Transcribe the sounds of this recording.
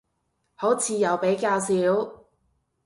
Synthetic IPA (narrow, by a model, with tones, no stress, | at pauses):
ho˨˥wt͡sʰiː˨jɐ˨˩wpe˨˥jkaː˧wsiː˨˥w